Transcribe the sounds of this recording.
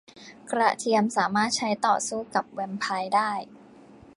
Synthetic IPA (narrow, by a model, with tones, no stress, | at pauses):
kɾa̰˧˩t̪ʰi˧əmsaː˩˦maː˥˩t̪̚t͡ɕʰa˦˥jt̪ɔː˨˩suː˥˩ka˨˩p̚wɛ˧mpʰa˧jdaː˥˩j